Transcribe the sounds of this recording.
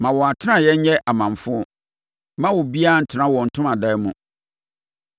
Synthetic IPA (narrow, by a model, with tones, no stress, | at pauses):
mã˨wɔ˨a˨tʰɪ˦nã˦˨jɛ˦ɲ̩˦ɲɛ˦ʔa˨mã˨m˨fʊ̃˦ | mã˦wɔ˨bi˦a˦n̩˨tʰɪ˨˦nã˦wɔ̃˨n̩˨tʰʊ̃˦ma˨dɛ˦mũ˨